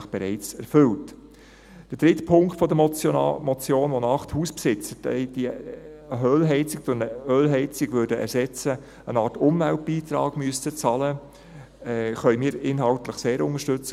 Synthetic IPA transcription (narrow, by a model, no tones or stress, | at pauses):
əχb̥ɛɾɛɪt͡sɛɾfɵlt | d̥əd̥ɾɪtpʰʊŋktfɔdəmɔt͡sjoːnʋonɑχthuːspsɪt͡sədɛ̰d̥i | ɦøːlɦɛɪt͡sɪk̚t͡sʊɾnəøːlɦɛɪt͡sɪɡ̥ʋøɾdəʔɛ̰ɾsɛt͡sə | ənɑːɾtʊmvælt̚b̥iːt̪ɾɑ̰ːɡ̥myəstət͡sɑlə | χœʏmiːɾɪnɦɑltləχseːɾʊŋəʃtɵt͡s